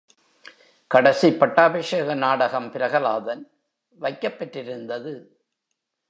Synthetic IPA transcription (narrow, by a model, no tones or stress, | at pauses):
kɐɽɐsipːɐʈːaːbɐʂɐɣɐnaːɽɐɣɐmpɪɾɐɣɐlaːðɐn | ʋɐɪkːɐpːɛʈːrɪɾɯnd̪ɐðɯ